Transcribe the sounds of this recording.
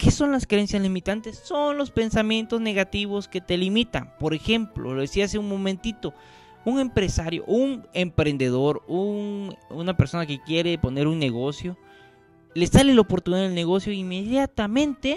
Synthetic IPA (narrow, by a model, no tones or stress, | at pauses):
keso̞nlaskeɾensjazlimit̪ant̪e̞sːo̞nlo̞spe̞nsamje̞nt̪o̞zneɣat̪iβo̞ske̞t̪e̞limit̪a̰npo̞ɾe̞xe̞mplo̰loðesiaaseuŋmo̞mẽnt̪it̪o̞ | uŋe̞mpɾe̞saɾjo̞̰ʔuŋempɾe̞nd̪e̞ðo̞ɾununapeɾso̞nake̞kje̞ɾe̞po̞ne̞ɾuŋne̞ɣo̞sjo̞ | lesalelaopo̞ɾt̪uniðaðelneɣo̞sjoimeðjat̪amẽ̞nt̪e